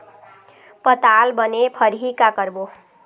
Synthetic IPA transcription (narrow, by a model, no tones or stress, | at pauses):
pʌt̪albʌnepʰʌɾɦikakʌrbo